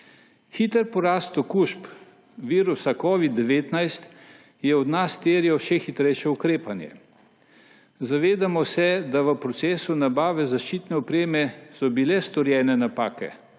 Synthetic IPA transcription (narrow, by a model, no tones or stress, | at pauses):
xit̪əɾpɔɾaːst̪ɔkuʃp | ʋiːɾusakɔːʋid̪ːɛʋeːt̪najst̪ | jɛɔd̪nast̪eːɾjɛwʃɛxit̪ɾɛjʃɛukɾeːpanjɛ̰ | zaʋeːd̪amɔsɛd̪aʋəpɾɔt̪sɛːsunabaːʋɛzaʃt͡ʃiːt̪nɛɔpɾeːmɛsɔbilɛst̪ɔɾjɛːnɛnapaːkɛ̰